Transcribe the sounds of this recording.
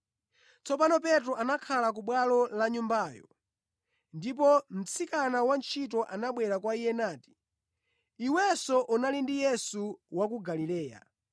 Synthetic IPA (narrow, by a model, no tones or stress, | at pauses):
t͡sɔpanɔp̬ɛtɾɔʔanakʰalak̬uɓwalɔlaɲumbaːjɔ̰ | ndip̬ɔm̩t͡sʰikanawant͡ʃʰit̬ɔʔanaɓwɛɾakwaijɛnaːti̥ | iwɛsɔʔunalindijɛsuwak̬uɡalilɛːja̰